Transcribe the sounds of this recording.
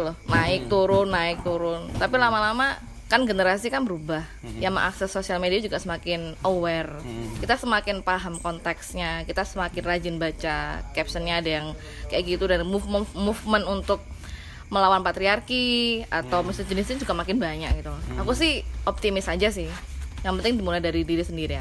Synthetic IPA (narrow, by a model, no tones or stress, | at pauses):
lʊnaɪk̚t̪uɾʊnːaɪk̚t̪uɾʊnt̪apilamalama | kanɡənəɾasikanbəɾubah | jamʔa̰ksɛsːosialmediad͡ʒuɡaʔsəmakɪnowɛrkit̪asəmakɪnpaɦamkɔnt̪ɛksɲakit̪asəmakɪnrad͡ʒɪnbat͡ʃakɛp̚sənɲaːdajaŋ | kajaʔkɡit̪udanmufməfmufmənunt̪ʊk̚ | məlawanpat̪ɾiarkiat̪awmisəd͡ʒənɪsɲad͡ʒuɡamakɪnbaɲak̚ɡit̪uakusɪhɔp̚t̪imɪsad͡ʒasɪh | jaŋpənt̪ɪŋdimulajdaɾidiɾisəndiɾia